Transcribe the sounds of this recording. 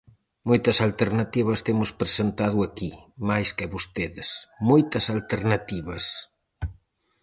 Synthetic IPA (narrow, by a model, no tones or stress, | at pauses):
mojt̪ɐsalt̪eɾnɐt̪iβ̞ɐst̪emʊspɾesent̪aðʊakimajskɪβost̪eðɪsmojt̪ɐsalt̪eɾnɐt̪iβɐs